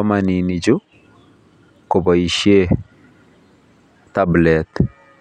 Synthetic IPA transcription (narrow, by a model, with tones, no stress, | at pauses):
ɔ˦ma˨ni˨ni˨d͡ʒu˦ | ko˨bɔ˨i˨ʃje˦ | ta˦blɛt̪